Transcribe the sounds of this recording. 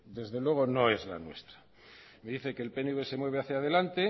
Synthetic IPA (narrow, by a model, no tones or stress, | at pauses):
d̪e̞zðe̞lwe̞ɣ̞o̞no̞e̞zla̰nwe̞̰st̪ɾḁ | meðiθe̞keːlpe̞nuβese̞mwe̞β̞eaθjað̞e̞lant̪e̞